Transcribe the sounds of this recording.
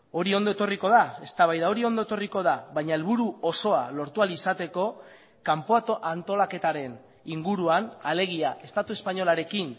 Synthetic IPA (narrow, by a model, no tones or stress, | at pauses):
o̞ɾio̞nd̪o̞e̞t̪o̞riko̞ðae̞st̪aβajðao̞ɾio̞nd̪oe̞t̪o̞riko̞ðaβajɲae̞lβuɾuoso̞alo̞ɾt̪ualisat̪e̞ko̞ | kampoaant̪o̞lake̞t̪aɾe̞n | iŋɡuɾuanale̞ɣ̞iaʔe̞st̪at̪ue̞spaɲo̞laɾe̞kin